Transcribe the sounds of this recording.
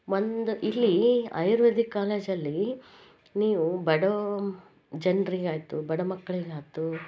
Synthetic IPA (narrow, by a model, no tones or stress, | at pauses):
ʋond̪uʔilːiɐ̰jɾʋɐd̪ikaːleːd͡ʒɐlːi | niːʋubɐɽɐ | d͡ʒɐnɾiɡaːjt̪ubɐɽɐmɐkːɐɭiɡaːjt̪u